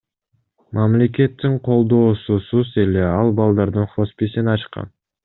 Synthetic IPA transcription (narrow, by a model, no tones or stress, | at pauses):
mʔamle̞k̬ʲe̞t̪ːiɴqʰo̞lˠd̪o̞ːsusuze̞le̞ɑlˠbɑlˠd̪ɑɾd̪ɯɴχo̞spisinɑt͡ʃqɑ̰n